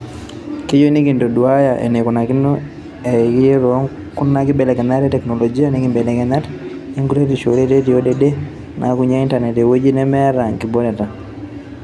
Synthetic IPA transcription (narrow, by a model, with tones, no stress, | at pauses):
ki˦d͡ʒo˦ni˦ki˨ndo˨du˨a˦jaʔḛ˨ne˨ku˨na˨ki˦no | eki˦e˦ɾo˦ŋ | ku˦nːa˦kɪ˦bɛ˨lɛ˨kɛ˨na˦ɾɛ˦tɛ˨knɔ˨lɔ˨d͡ʒi˦a˦ni˦ki˨mbɛ˨lɛ˨kɛna˦t | i˦ŋɡu˦ɾe˦ti˨ʃo˨ɾe˦te˦ti˨jo˦dede˦ | nʔa̰ku˦ɲa˦i˦nta˨ɾnɛ˨te˨wo˦d͡ʒi˦nɛ˦mɛ˦ɾa˨ŋki˨bo˦nɛ˨ta˨